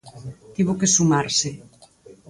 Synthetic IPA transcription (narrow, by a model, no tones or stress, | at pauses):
t̪iβokesumaɾsɪ